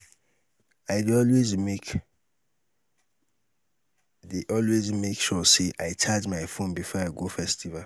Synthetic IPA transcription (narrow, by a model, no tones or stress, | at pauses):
aɪdɔlwezmek | deʔɔlwezmekʃɔseʔaɪt͡ʃad͡ʒmaɪfõnbifɔaɪɡofɛstival